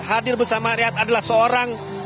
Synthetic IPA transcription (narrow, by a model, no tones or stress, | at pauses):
hadɪrbərsamaɾiat̪adalahsəoɾaŋ